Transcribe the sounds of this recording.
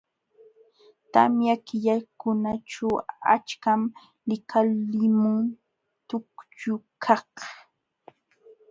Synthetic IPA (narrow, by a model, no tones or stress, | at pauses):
t̪a̰mjakɪʎakʊnaʈ͡ʂawa̰t͡ʃkam | lɪkʰalɪmʊŋ | t̪ʊkt͡ʃʊkʰɑh